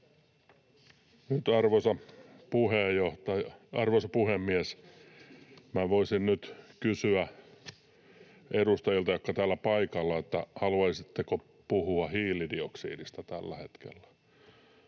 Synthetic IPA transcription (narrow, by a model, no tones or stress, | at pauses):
nyt̪ɑrʋosɑpuhejoht̪ɑjɑɑrʋosɑpuhemːies | mæʋoisinnyt̪kysyæ | ʔedust̪ɑjilt̪ɑjokːɑt̪æːlːæpɑikɑlːɑet̪ːæhɑluɑisit̪ːeko | puhuɑhiːlidioksḭːdist̪æt̪ælːæhet̪kḛlːæ̥